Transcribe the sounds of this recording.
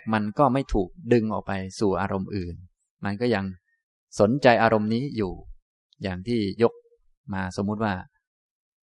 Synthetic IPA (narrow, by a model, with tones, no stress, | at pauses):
ma˧nkɔː˥˩ma˥˩jt̪ʰuː˨˩k̚dɯ˧ŋʔɔ̰ː˨˩k̚pa˧jsuː˨˩ʔaː˧ɾo˧mʔɯː˨˩n | ma˧nkɔː˥˩ja˧ŋ | so˩˦nt͡ɕa˧jʔaː˧ɾo˧mniː˦˥juː˨˩ | jaː˨˩ŋt̪ʰiː˥˩jo˦˥k̚ | maː˧soː˨˩˦t̪̚waː˥˩